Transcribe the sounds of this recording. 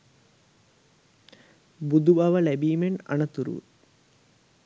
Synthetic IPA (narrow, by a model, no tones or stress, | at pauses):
bud̪ubɐʋəlæbiːmena̰nət̪uɾṵʋṵt̪